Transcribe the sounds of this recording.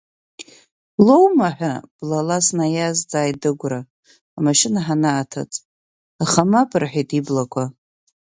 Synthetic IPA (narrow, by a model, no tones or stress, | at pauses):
lo̞wmaħᶣʷab̥lalasnajazd͡zaːjdɨɡʷraː | maʃɪnaħanaːtʰa̰t͡sʼ | aχamapʰʼɨrħʷᶣijtʰʼiblakʷʰa